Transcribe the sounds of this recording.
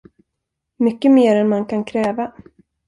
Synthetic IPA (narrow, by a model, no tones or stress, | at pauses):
mʏkːəmeːɾɛnmankʰankʰɾɛːva